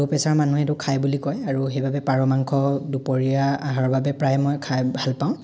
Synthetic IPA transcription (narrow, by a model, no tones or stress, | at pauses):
opɛsaɹmanuɦɛtʊkʰajbulikɔjaɹuɦejbabɛpaɹɔmaŋkʰɔdupɔɹijaaɦaɹɔbabɛpɹajmɔjkʰabʱalpaʊ̃